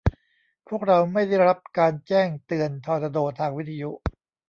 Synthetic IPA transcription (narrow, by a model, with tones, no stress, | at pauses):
pʰu˥˩ək̚ɾa˧wma˥˩jda˥˩jɾa˦˥p̚kaː˧nt͡ɕɛː˥˩ŋt̪ɯ˧ənt̪ʰɔː˧nt̪a˧doː˨˩t̪ʰːaː˧ŋwi˦˥t̪ʰa˧jṵ˦˥ʔ